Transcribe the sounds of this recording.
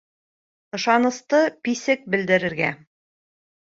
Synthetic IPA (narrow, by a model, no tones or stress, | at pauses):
ɤ̆ʃɑnɤ̆st̪ɤpisɘk̚bɘ̆ld̪ɘ̆ɾɘ̆ɾɡæ